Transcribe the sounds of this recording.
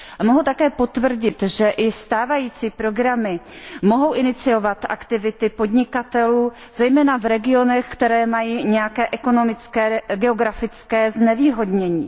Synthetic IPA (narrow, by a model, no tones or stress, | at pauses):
amoɦut̪akɛːpo̞t̪vr̩ɟɪt̪ʒɛʔɪst̪aːvajiːt͡siːpɾo̞ɡɾamɪmo̞ɦo̞wʔɪnɪt͡sɪo̞vat̪ʔa̰kt̪ɪvɪt̪ɪpo̞dɲɪkat̪ɛluː | z̥ɛjmɛːnavɾɛɡɪo̞nɛxkt̪ɛɾɛːmajiːɲɛjakɛːʔɛko̞no̞mɪt͡skɛːɡɛoɡɾafɪt͡skɛːznɛviːɦo̞dɲɛɲḭː